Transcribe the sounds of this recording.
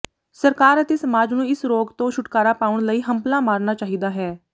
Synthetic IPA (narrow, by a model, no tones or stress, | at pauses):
səɾkaːɾət̪eːsəmaːd͡ʒnũːɪsɾoːɡt̪õːʃʊʈkaːɾaːpaːʊɳləiːɦəmplãːmaːɾnaːt͡ʃaːɦiːd̪aːɦɛː